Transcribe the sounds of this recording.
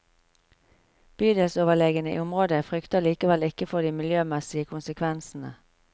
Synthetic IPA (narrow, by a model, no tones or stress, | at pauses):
b̥yːd̪ɛlsoːʋəleːɡənəḭːʊmʁoːd̪əfʁʏkt̪əliːkəʋɛlɪkəfɔd̪iːmɪljøːmɛsɪəkʰʊnsəkʰʋɛnsn̩ə̰